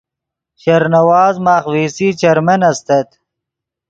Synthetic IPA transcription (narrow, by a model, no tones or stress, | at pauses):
ɕɐɾnɐwaːzmaːχwiːsiːt͡ɕɐɾmɐnɐst̪ɐt̪